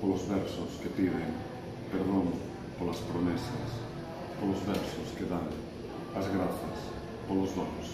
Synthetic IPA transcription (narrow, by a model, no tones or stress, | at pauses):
polozβɛɾsoskepiðem | peɾðoŋ | polaspɾomesas | polozβɛɾsoskeðan | azɣɾaθas | polozðonos